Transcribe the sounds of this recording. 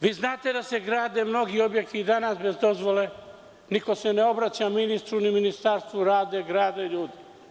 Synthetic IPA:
ʋiːznaːt̪e̞d̪ase̞ɡɾaːd̪e̞mno̞ɡio̞bjekt̪iːd̪anasbe̞zd̪o̞zʋo̞le̞ | niko̞se̞neo̞bɾat͡ɕaminist̪ɾuniminist̪aɾst̪ʋuɾaːd̪eɡɾaːd̪eʎuːd̪i

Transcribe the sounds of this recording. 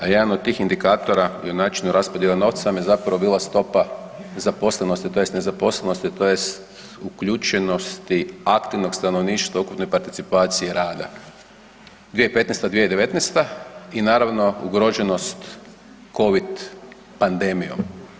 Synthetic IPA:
ajed̪anod̪̚t̪iːxind̪ikaːt̪o̞ɾaionaːt͡ʃinuɾaspod̪jelano̞ːʋt̪samjezapɾaʋobiːlˠast̪o̞pa | zapo̞sle̞nost̪it̪o̞jest̪ne̞zapo̞sleno̞st̪it̪o̞jest̪ | ukʎut͡ʃeno̞st̪iakt̪iʋno̞ɡst̪ano̞ʋniːʃt̪ʋaukupno̞jpaɾt̪it̪sipaːt̪sijeɾaːd̪a̰ | d̪ʋieipe̞t̪nest̪ad̪ʋied̪e̞ʋe̞t̪nest̪ainaːɾaʋno̞ṵɡɾo̞ʒeno̞st̪ | ko̞ʋid̪ | pand̪e̞mijom

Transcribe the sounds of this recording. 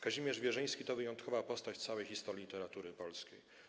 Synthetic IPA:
kaʑimʲjɛʐvʲjɛʐɘj̃skʲit̪ɔvɘjɔnt̪kʰɔvapɔst̪at͡ɕt̪sawɛjxʲist̪ɔɾʲit̪ɛɾat̪uɾɘpɔlskʲḛj

